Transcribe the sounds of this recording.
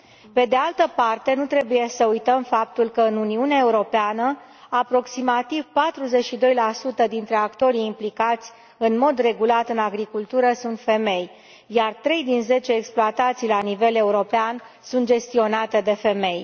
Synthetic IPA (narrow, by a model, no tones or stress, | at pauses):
pe̞d̪e̞alt̪əpart̪e̞nut̪ɾe̞buje̞səujt̪əmfap̚t̪ulkəɨnuniuneaeuɾo̞peanə | apɾo̞ksimat̪ivpat̪ɾuze̞t͡ʃʃid̪o̞jlasut̪əd̪int̪ɾe̞akt̪o̞ɾiːmplikat̪sʲ | ɨnmo̞d̪re̞ɡulat̪ɨnaɡɾikult̪uɾəsunt̪fe̞me̞j | jart̪ɾe̞jd̪inze̞t͡ʃe̞ːksploat̪at̪sijlanive̞le̞uɾo̞pean | sunt̪̚d͡ʒe̞st̪io̞nat̪e̞d̪e̞fe̞me̞j